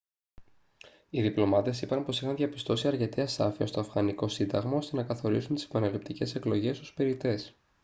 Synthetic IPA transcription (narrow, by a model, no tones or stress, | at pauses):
iðiplo̞mɐt̪e̞sipɐnpo̞sixɐnðʝɐpi̥st̪o̞siɐɾce̞t̪iɐsɐ̰fiɐst̪o̞ɐfɣɐniko̞sind̪ɐɣmɐo̞st̪e̞nɐkɐθo̞ɾisunt̪i̥se̥pɐnelip̚t̪ice̞se̞klo̞ʝe̞sospe̞ɾit̪e̞s